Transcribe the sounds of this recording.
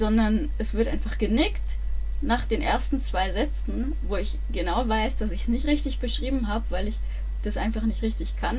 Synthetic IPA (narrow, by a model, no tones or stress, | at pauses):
z̥ɔndɐnʔɛsv̥ɪɐtʔa̰ɪnfaχɡ̥ənɪkt | naːχd̥eːnʔḛːɐstn̩t͡sv̥aɪzɛt͡sn̩ | voːɪç | ɡ̥ənaʊvaɪsd̥asɪçsnɪçtʁɪçtɪçb̥əʃʁ̥iːbm̩ɦaːbəvaɪlɪç | d̥asʔa̰ɪnfaχnɪçtʁɪçtɪçkʰan